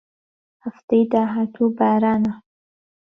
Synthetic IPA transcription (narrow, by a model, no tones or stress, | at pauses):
haft̪əjd̪aɦat̪ʰubaɾana